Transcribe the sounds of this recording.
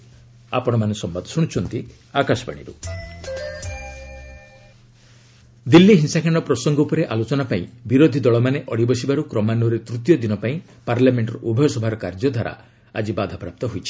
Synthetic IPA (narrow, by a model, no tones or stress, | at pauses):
a̰pɔɽ̃ɔmanesɔmbad̪ɔ̥suɽ̃ut͡ʃʰɔnt̪i | akasɔpa̰ɽ̃ḭɾṵ | d̪ilːiɦinsakʰaɳɖɔpɾɔsɔŋɡɔupɔɾeʔalot͡ʃɔnapaĩbiɾod̪ʱid̪ɔɭɔmaneʔɔɽibɔsibaɾukɾɔmanɔɾet̪ɾut̪jɔd̪inɔpaĩ | paɾlameɳʈɔɾɔʔubʱɔjɔsɔbʱaɾɔkaɾd͡ʒɔd̪ʱwaɾa̰ | a̰d͡ʒibad̪ʱapɾap̚t̪ɔɦojt͡ʃʰi̥